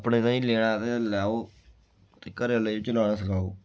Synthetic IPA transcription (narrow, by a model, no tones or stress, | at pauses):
pɳeːt̪ãːĩːleːɽ̃ãːt̪eːlaːoː | t̪eːkəɾlait͡ʃəlaːɽ̃ãːsəkʰaːo̰ː